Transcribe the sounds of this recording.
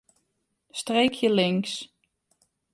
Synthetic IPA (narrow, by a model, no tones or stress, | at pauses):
strejkʰjəlɪŋs